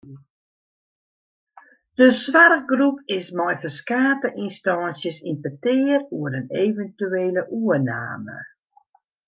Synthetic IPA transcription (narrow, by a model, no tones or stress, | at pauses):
d̥əswarɡrupɪsmɔjfəskaːtəʔinstɑnsjəsinpətɪəruəɾənevəntyeːləʔuəna̰ːmə̰